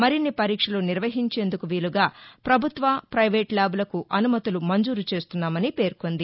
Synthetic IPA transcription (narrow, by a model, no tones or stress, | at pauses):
mɐɾinːipɐɾiːkʂɐluniɾʋɐɦiɲt͡ʃe̞ːnd̪ukuʋiːluɡaːpɾɐbʱut̪ʋɐpɾɐjʋeːʈlaːbulɐkuʔɐnumɐt̪ulumɐɲd͡ʒuːɾut͡ʃe̞ːst̪unːaːmɐnipe̞ːɾko̞nd̪i